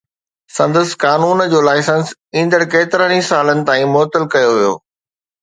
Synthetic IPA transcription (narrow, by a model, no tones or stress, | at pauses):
sɐ̃nd̪əskaːnuːnd͡ʑoːlaːɪsə̃nsĩːn̆d̪əɽkeːt̪ɪɾənĩsaːlənɪ̆t̪ãːĩmɔːt̪əlkɐjoʋijo̰ː